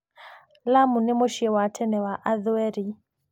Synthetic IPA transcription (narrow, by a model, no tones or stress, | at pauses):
lamunɛmoʃiɛwatʰɛnɛwaʔaðɛɾi